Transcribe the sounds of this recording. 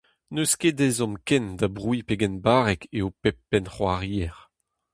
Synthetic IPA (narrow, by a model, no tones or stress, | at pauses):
nøskedɛzɔ̃mkɛnd̪abʁwipeɡɛnbaːʁɛkeopɛpːɛnχwaʁiːɛʁ